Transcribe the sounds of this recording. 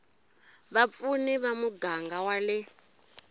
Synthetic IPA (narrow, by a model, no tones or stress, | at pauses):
βap̪funiβamuɡaŋɡawalɪ